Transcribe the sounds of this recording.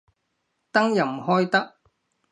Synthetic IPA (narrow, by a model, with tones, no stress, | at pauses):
t̪ɐ˥ŋjɐ˨˩m̩˨hɔː˥jt̪ɐ˥k̚